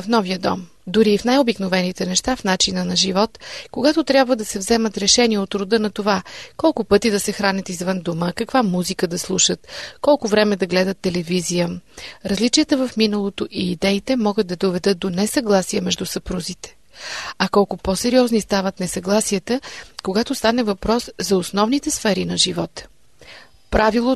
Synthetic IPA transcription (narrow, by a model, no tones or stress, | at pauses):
fnɔvijəd̪ɔ̰m | d̪ʊɾiːfnajobiknovɛnit̪ɛnɛʃt̪afnat͡ʃinənɐʒivɔt̪koɡat̪ʊt̪ɾjabvəd̪ɐsɛvzɛmət̪ɾɛʃɛniɛot̪ːɾʊd̪ɤnɐt̪ovakɔlˠkʊpɤt̪id̪ɐsɛxɾanʲət̪izvənd̪oməkɐkvamuzikəd̪ɐslˠuʃət̪kɔlˠkʊvɾɛmɛd̪ɐɡlɛd̪ət̪ːɛlɛvizijəɾɐzlit͡ʃiət̪əvəfminəlˠot̪oʔiːd̪ɛit̪ɛmɔɡət̪̚d̪ɐd̪ovɛd̪ɤt̪̚d̪onɛsɐɡlˠasiəmɛʒd̪usɐpɾuzit̪ɛ̥ | ɐkɔlˠkʊposɛɾiɔznist̪avət̪nɛsɐɡlˠasiət̪əkoɡat̪ost̪anɛvɐpɾɔszɐosnɔvnit̪ɛsfɛɾinɐʒivɔt̪ | pɾavilˠo